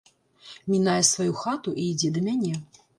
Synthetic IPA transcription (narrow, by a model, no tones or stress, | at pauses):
mʲinajɛsvajuxat̪uʔiːd͡zʲɛd̪ɐmʲanʲɛ